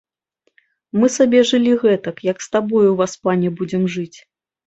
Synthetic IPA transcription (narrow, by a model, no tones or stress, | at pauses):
mɨsabʲɛʐɨlʲiɣɛt̪ɐkjɐkst̪abɔjuvaspanʲɛbud͡zʲɛmʐɨt͡sʲ